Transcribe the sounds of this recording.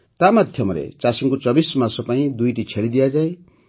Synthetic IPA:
t̪amad̪ʱjʌmʌlḛt͡sasiŋkot͡sʌbismasʌpʌĩd̪ujʈit͡sʰelid̪ijad͡zaĩ

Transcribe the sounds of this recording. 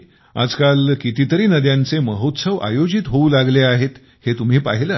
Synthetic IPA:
a̰d͡zkalkit̪it̪əɾiːnəd̪jãnt͡seməɦot̪səʋʔa̰jod͡ʑit̪ɦoulaɡleaɦet̪ | het̪um̤iːpa̰ɦilə

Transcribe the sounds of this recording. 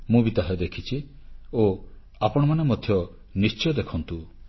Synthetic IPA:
mũbit̪aɦed̪ekʰit͡ʃʰi | o | apɔɽ̃ɔmanemɔd̪ʱjɔ | nist͡ʃɔjɔd̪ekʰɔnt̪u

